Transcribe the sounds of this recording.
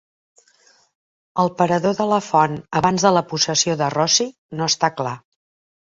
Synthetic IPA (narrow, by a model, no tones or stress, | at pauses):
əlˠpəɾəðoðələfɔnəβanzðələpusəsioðərɔsi | noəst̪akla